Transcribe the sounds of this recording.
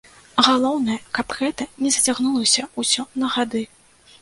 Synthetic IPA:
ɣalˠɔwnɐjɛkapɣɛt̪ɐnʲɛzɐt͡sʲaɣnulˠɐsʲɐusʲɔnɐɣad̪ɨ

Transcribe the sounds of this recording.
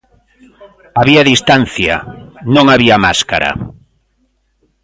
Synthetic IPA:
aβiaðist̪anθja̰nõŋaβiama̰ska̰ɾa̰

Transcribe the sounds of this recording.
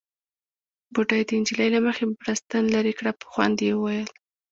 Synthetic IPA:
buʈajd̪əɪnd͡ʒilajlaməxebɾast̪anlaɾikɽapə̥xwa̰nd̪ewəwajəl

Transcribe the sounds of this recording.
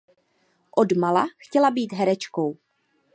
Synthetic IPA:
ʔodmalaxcɛlabiːt̪ɦɛɾɛt͡ʃko̞w

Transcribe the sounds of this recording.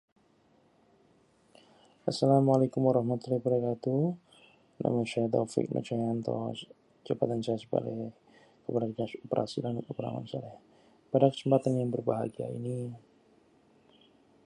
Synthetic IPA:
ʔasalamalakumwaɾɑhmat̪ulahbaɾakat̪u | nʔa̰maʃat̪̬ɔfɪ̰k̚nʔa̰t͡ʃajant̪ɔ̰ | d͡ʒabat̪ansajasə̥ba̰lɛ | kəbaɾariɡasopəɾʔa̰sidanopəɾa̰ma̰nsalɛh | padakə̥səmpat̪anjaŋbərbaɦaɡia̰ḭni

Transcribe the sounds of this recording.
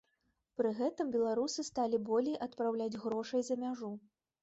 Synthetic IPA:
pɾɨɣɛt̪ɨmbʲɛlˠaɾusɨst̪alʲibɔlʲijʔɐt̪̚pɾawlʲad͡zʲɣɾɔʂɐjzɐmʲaʐu

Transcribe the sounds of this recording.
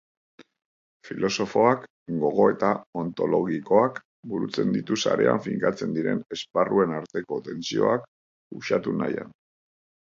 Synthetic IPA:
filo̞so̞fo̞ak | ɡo̞ɣ̞o̞e̞t̪ao̞nt̪o̞lo̞ɣiko̞ak | buɾut͡se̞nd̪it̪usa̰ɾe̞a̰ɱfiŋkat͡se̞nd̪iɾe̞ne̞sparue̞naɾt̪e̞ko̞t̪e̞nsio̞̰ak | uʃat̪unaja̰n

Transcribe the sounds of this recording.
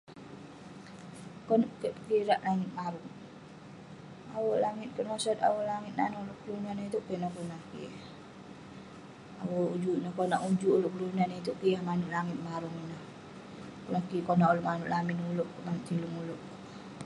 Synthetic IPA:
kɔnkəʔpəkiɾaʔlaŋit̪̚maɾuŋ | awoʔlaŋit̪̚kənɔsɔt̪̚a̰woʔlaŋit̪̚nanloʔkəlunanəit̪uʔkeʔnahkunakḭ | a̰woud͡ʒuʔnəhkonaʔud͡ʒuʔuloʔkəlunanəit̪uʔkijahmanuʔ̪laŋɪt̪̚maɾuŋinah | kunakikonaʔuloʔmanuʔlaminuloʔmant̪iluŋuloʔ

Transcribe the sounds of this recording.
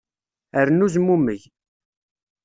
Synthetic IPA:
əɾnuzmːumːəʝ

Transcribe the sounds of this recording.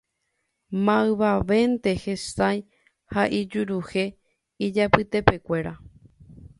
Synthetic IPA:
mãɨʋaʋe̞nt̪e̞hesaj | haʔid͡ʒuɾuhe̞ | id͡ʒapɨt̪e̞pe̞kʷe̞ɾa

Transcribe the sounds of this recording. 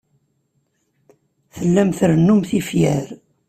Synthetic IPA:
θəlːæmθɾənːumθifjæɾ

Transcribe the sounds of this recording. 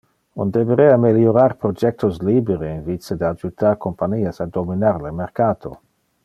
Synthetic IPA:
und̪eveɾɛameljoɾarpɾod͡ʒɛk̚t̪osliːbeɾeinvit͡sed̪ad͡ʒut̪arkompaɲiːasad̪ominaɾlemeɾkaːt̪ʰo̰

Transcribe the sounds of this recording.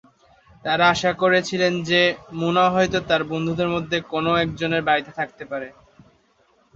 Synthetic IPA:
t̪aɾaaʃakoɾet͡ɕʰilend͡ʑemunaoɦɔjt̪ot̪aɾbond̪ʱud̪eɾmod̪ʱːekonoɛkd͡ʑoneɾbaɾit̪et̪ʰak̚t̪epaɾe

